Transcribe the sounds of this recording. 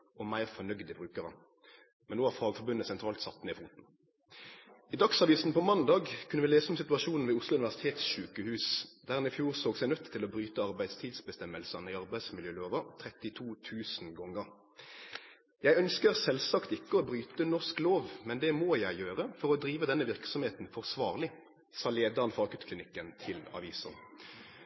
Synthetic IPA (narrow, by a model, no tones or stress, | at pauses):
ɔmæɪʁfɔnœɡd̪əbʁʉːkəʁə̰ | mɛnoːæʁfɑːɡfɔɾbʉnəsɛnt̪ʰɾɑːlt̪sɑt̪ːnɛɪfuːt̪n̩ | id̪ɑksɑʋiːsn̩pɔmɑnd̪ɑːɡkʰʉnːəʋɪleːsəɔmsɪt̪ʉɑʃuːnn̩ʋɛːʊslʊʉnɪʋæʁsɪ̥t̪ʰeːt̪sʃʉːkəhʉːsd̪æʁɛnɪfjuːʁsoːɡsæɪnœt̪ːʰtːɪlɔbʁyːt̪əɑʁbæɪst̪ʰiːd̪sbəst̪ɛməlsɑnəɪɑʁbæɪd̪smɪljøːloːʋət̪ʰʁɛt̪ɪt̪ʰuːt̪ʰʉːsnɡɔŋːəʁ | jæɪœnskəʁsɛlsɑkt̪ɪkːəɔbʁyːt̪ənɔʁskloːʋmɛnd̪ɛmoːjæɪjøːʁəfɔʁɔd̪ɾiːʋəd̪ɛnːəʋɪʁksɔmheːt̪n̩fɔʁsʋɑːʁlɪ | sɑːleːd̪ɑʁənfɑːɡʉt̪kʰlɪnɪkːənt̪ʰɪlɑ̰ʋiːsən